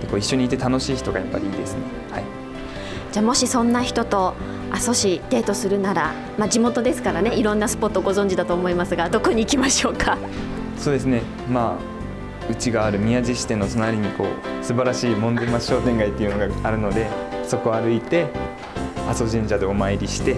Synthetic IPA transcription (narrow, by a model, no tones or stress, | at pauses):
t̪eko̞ːiɕːo̞ɲ̟iːt̪̬e̞t̪ano̞ɕiːçi̥t̪o̞ɡa̰japːa̰ɾʲiiːd̪e̞sɨne̞ | hai | d͡ʑaːmo̞ɕisõ̞nːaçi̥t̪o̞t̪o̞ | aso̞ɕit̪e̞ːt̪o̞sɨɾɯ̟naɾa | mad͡ʑimo̞t̪o̞d̪e̞sɨ̥kaɾane̞iɾõ̞nːasɨ̥po̞t̪ːoɡo̞zõ̞ɲ̟d͡ʑid̪at̪o̞ːmo̞imasɨɡad̪o̞ko̞ɲ̟iːkʲimaɕo̞ːkʰa | so̞ːd̪e̞sɨne̞ | ma | ɯ̟t͡ɕiɡaːɾɯ̟mʲiaʑiɕi̥t̪ẽ̞nːo̞t̪onaɾʲiɲ̟iko̞̰ːsɨbaɾaɕiːmõ̞nd̪amaɕo̞ːt̪ẽ̞ŋɡait̪ːeiɯ̟no̞ɡaaɾɯ̟no̞d̪e̞so̞ko̞aɾɯ̟it̪e̞ | aso̞ʑĩɲ̟d͡ʑad̪e̞omaiɾʲiɕi̥t̪e̞